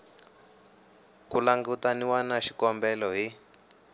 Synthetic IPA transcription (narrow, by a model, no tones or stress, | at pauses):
kulaŋɡutaniwanaʃikɔmbɛlɔɦi